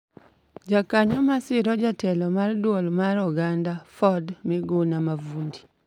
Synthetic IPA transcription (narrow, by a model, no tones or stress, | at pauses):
d͡ʒakaɲɔmasɪɾɔd͡ʒatɛlɔmardwolmaɾɔɡandafɔdmɪɡonamavundi